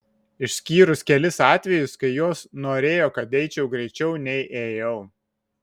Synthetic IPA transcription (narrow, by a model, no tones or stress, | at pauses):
ɪʃʲsʲkʲiːɾʊskʲɛlʲɪsɑːt̪ʲʋʲɛjʊskɐɪjoːsnoːɾʲeːjoːkɐt̪ɛɪt͡ʃʲɛʊɡɾʲɛɪt͡ʃʲɛʊnʲɛɪʔeːjɛʊ